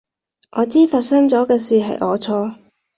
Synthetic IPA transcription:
ʔɔː˨˧t͡siː˥faː˧t̚sɐ˥ŋt͡sɔː˨˥kɛː˧siː˨ɦɐ̰˨jʔɔ̰ː˨˧t͡sʰɔː˧

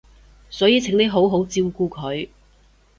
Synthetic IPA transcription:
sɔː˨˥jiː˧t͡sʰɪ˨˥ŋne˥ɦo˨˥wɦo˨˥wt͡siː˧wkuː˧kʰɵ˨˧ɥ

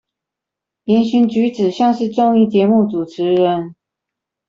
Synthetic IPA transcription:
jjɛ˧˥nɕy˧˥nt͡ɕy˧˥t͡sɹ̩˨˩ɕjɑ˥˧ŋʂɻ̩˥˧ʈ͡ʂʊ˥˧ŋi˥˩t͡ɕjɛ˧˥mu˥˩t͡su˨˩ʈ͡ʂʰɻ̩˧˥ɻə˧˦n

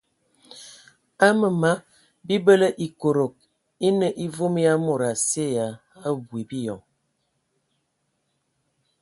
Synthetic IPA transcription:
a˦mə˨ma˦ | bi˦bə˦lə˦ʔi˨ko˨ɾo˨k̚ | i˦nə˦ʔi˦vo˦m˦ja˦mo˨ɾa˨se˦ja˨ | a˦bwi˨bi˦jɔ˨ŋ

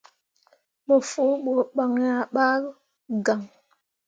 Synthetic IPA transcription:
mə˨fo˨˦ɓo˨ɓa˨ŋ˦a˨ɓa˦ | ɡa˨ŋ

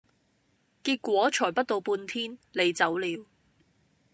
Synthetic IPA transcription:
kiː˧t̚kʷɔː˨˥t͡ʃʰɔː˨˩pɐ˥t̚t̪o˧wpuː˧nt̪ʰiː˥nle˨˧jt͡sɐ˨˥wliː˨˧w

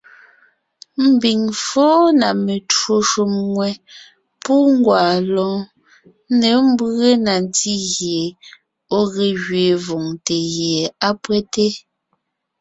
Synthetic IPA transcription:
m̩˨bi˨ŋfoː˦na˨me˨two˦ʃu˦˨mŋwɛ˨ | pu˦ŋ˦ɡwaː˨lɔ̃ː˨˦ | ne˨˦m̩˦bɰe˦na˨nti˦ɣje˨ | o˦ɣe˨ɣɥe˨vo˨ŋte˨ɣje˨a˦pwɛ˦te˦

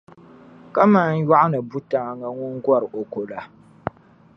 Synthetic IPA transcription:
ka˦ma˦n˦ja˦ʔa˦nɨ˨bu˦taː˨˦˨ŋa˦ŋʊ˦ŋɡʷɔ˦ɾɨ˨o˨ko˨la˨

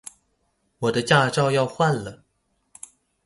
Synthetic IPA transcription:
wɔ˨˩d̪ə˦t͡ɕja˥˧ʈ͡ʂɑ˥˧ʊjɑ˥˧ʊxwa˥˩nlə˩

